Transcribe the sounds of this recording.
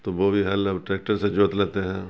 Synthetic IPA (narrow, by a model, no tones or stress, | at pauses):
t̪oʋobʱiɦɐlɐbʈɾɛːk̚ʈəɾsed͡ʒoːt̪leːt̪eɦɛ̃ː